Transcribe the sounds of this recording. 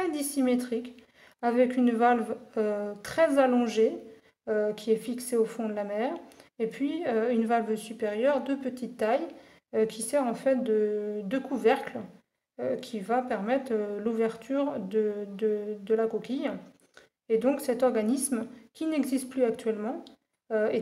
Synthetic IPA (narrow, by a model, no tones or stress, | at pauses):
ɛd̪isimet̪χik | avɛkynvalvøt̪χɛzalɔ̃ʒe | økʲiɛfikseofɔ̃d̪əlamɛʁepɥiøynvalvsypeʁjœʁd̪øpət̪it̪ːaj | økʲʰisɛʁɑ̃fɛt̪̚d̪əd̪økuvɛʁkl | økʲʰivapɛʁmɛt̪χluvɛʁt̪ʰyʁd̪əd̪əd̪əlakɔkʲij | ed̪ɔ̃ksɛt̪ɔʁɡanismkʲinɛɡzist̪̚plyak̚t̪ɥɛlmɑ̃ | øe